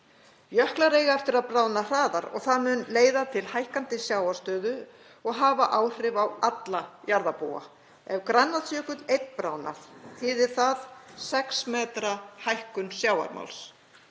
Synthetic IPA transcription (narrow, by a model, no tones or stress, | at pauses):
jœhklaɾeːjɣaɛft̪ɪɾaðpɾaːwnar̥aːðaɾɔ̰ɣθaðmʏnleːjðat̪ʰɪlhajhkant̪ɪsjaːwaɾ̥st̪œːðʏ | ɔɣɦaːvaʔaːwr̥ɪvawat̪lajaɾðapuːa̰ | ɛvkɾanːaðsjœːkʏt̪lejt̪pɾaːwna̰θθiːðɪɾ̥θaðsɛksmɛːt̪ɾahajhkʏnsjaːwa̰ɾma̰wls